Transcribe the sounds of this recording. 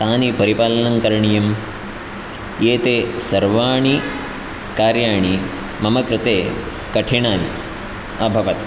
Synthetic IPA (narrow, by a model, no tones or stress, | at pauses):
t̪aːnipɐɾipaːlɐnɐŋkɐɾɳijɐm | jeːt̪esɐɾʋaːɳi | kaːɾjaːɳ̃i | mɐmɐkɾɪt̪eː | kɐʈʰiɳaːni | ɐbʱɐʋɐt̪